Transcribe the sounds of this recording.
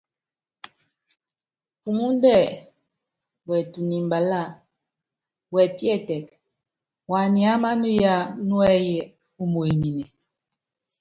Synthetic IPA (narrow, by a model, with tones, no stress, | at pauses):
fu˨ŋu˦n˦dɛ˦˨ | wɛ˨tu˨ni˨mba˨la˦˨ | wɛ˨pjɛ˦˨tɛ˨k | wa˨ni˨a˦ma˦nu˦ja˦nwɛ˦jɛ˨ | u˦mu˨e˨mi˨nɛ˨